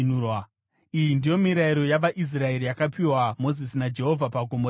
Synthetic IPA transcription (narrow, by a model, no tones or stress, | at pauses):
nuwa | ijindijo̞miɾaiɾo̞jaʋaʔis̬rae̞ɾijakapiwamo̞zisinad͡ʒe̞ɦo̞vʱapaɡʱo̞mbo